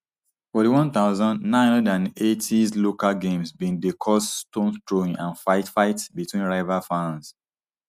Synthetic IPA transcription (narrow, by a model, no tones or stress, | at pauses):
fɔtiwɔ̃nt̪aʊzɔ̃ndnãɪ̃nɔdãnetʰislokalɡẽmsbĩndekʰɔsstõnstɹoĩŋãnfaɪtfaɪtbitwĩnɹaɪvafãns